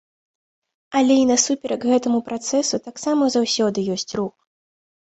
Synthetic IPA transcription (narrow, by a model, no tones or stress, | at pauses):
ɐlʲɛinɐsupʲɛɾʔɐɡɣɛt̪ɐmupɾat̪sɛsut̪aksamɐzawsʲɔd̪ɨjɔsʲt͡sʲruk